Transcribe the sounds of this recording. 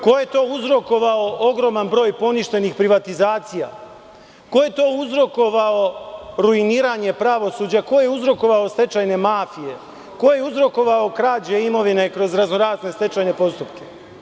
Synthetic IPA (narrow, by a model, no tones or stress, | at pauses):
ko̞je̞t̪o̞ːuzɾo̞ko̞ʋaoʔo̞ɡɾo̞manbɾo̞ːjpo̞niʃt̪e̞nixpɾiʋat̪izaːt̪sija̰ | ko̞je̞t̪o̞ːuzɾo̞ko̞ʋao̞ɾuiniːɾaːɲe̞pɾaʋo̞suːd͡ʑako̞jeuzɾo̞ko̞ʋaost̪e̞t͡ʃajne̞maːfije̞ | ko̞jeuzɾo̞ko̞ʋaokɾaːd͡ʑeimo̞ʋinekɾo̞zɾaznoɾaːzne̞st̪e̞t͡ʃajne̞po̞st̪upke